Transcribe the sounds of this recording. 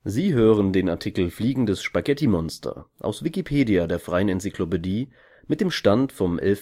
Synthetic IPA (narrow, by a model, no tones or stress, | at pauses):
ziːɦøːʁ̞əndeːnaɐtʰikl̩fliːɡŋ̩dɛsʃpaɡɛtimɔnstʰɐ̰ʔa̰ʊsv̥ikipʰeːdiadeːɐfʁ̥aɪənɛnt͡sikʰl̥opediː | mɪt̚d̥eːmʃtantfɔmʔɛ̰lf